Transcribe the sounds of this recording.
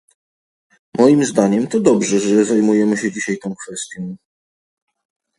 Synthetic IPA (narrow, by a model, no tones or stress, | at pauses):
mɔjimzd̪aɲɛmt̪ɔd̪ɔbʐɛʐɛzajmujɛmɘɕɛd͡ʑiɕajt̪ɔ̃w̃kfɛst̪ʲjɔ̃w̃